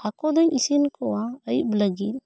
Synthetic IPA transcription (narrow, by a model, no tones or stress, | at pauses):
akɔd̪ɔɲisinkɔwaəj̚bləɡit̪̚